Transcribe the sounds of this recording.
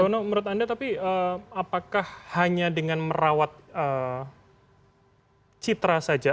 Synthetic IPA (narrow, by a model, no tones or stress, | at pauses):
aanoməɾʊt̪andat̪apiəmapakahhaɲadəŋanməɾawat̪̚əː | t͡ʃit̪ɾasad͡ʒa